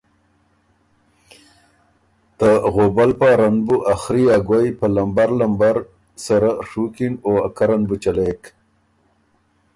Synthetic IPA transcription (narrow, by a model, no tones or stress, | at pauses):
t̪əɣobalpaɾanbuʔaxɾiaɡwajpəlambaɾlambaɾ | saɾaʂukinoa̰kaɾanbut͡ʃalek